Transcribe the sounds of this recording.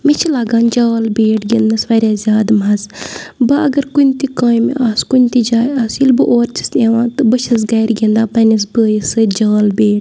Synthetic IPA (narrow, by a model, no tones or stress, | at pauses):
mit͡ʃʰilaːɡãːnd͡ʒaːlbeːʈɡind̪ɐsʋɐɾʲjaːzʲjaːd̪mɐzbɐʔɐɡɐɾkunʲt̪ikaːim̰ʔaːskunʲt̪id͡ʒaːjɐsilbɨʔoːɾt͡ʃʰi̥st̪eːʋãːt̪ɨbɐʃɐs̬ɡɐjɾɡind̪aːpɐnis̬bɨjisɨd͡ʒaːlbeːʈ